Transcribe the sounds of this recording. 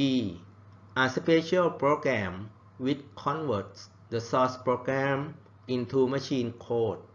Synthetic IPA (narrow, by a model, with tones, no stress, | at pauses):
iː˧ | ʔa˧spʰe˧ɕə˧lpʰɹoː˧ɡɾɛ˧m | wi˦t̪̚kʰɔ˧˥nwə˩t̚s | d̪ə˧sɔː˧spɹoː˧kɾɛ˧m | ʔi˧nt̪ʰuː˧ma˧˥ɕiː˧nkʰoː˧˥˩t̪̚